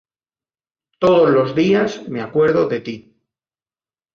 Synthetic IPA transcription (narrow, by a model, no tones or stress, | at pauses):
t̪oðozlo̞zðiasmeakwe̞ɾð̞oðe̞t̪i